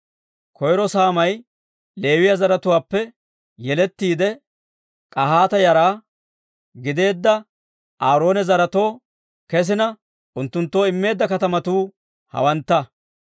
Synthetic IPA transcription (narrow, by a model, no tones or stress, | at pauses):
kʰɔjɾɔsaːmɐj | le̞ːwɪjɐzɐɾɐt̪ʊwaːpːɛ | jɛlɛt̪ːiːd̪ɛ | kʼɐɦaːt̪ɐjɐɾaː | ɡɪd̪e̞ːd̪ːɐ | ʔaːɾo̞ːnɛzɐɾɐt̪o̞ː | kɛs̬ɪnɐ | ʔʊnt̪ːʊnt̪ːo̞ːɪmːe̞ːd̪ːɐkɐt̪ɐmɐt̪uː | hɐ̰wɐnt̪ːɐ